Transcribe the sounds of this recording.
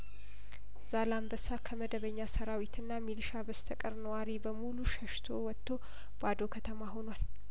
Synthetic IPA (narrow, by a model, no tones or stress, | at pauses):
z̥alambəsakʰəməd̪əβəɲːasəɾawit̪ʰɨnːamilʃabəst̪ʰəkʼəɾnəwaɾibəmuluʃəʃt̪ʰo̞wɔt̪ʰːo̞ | b̥ad̪okʰət̪ʰəmaɦo̞nwal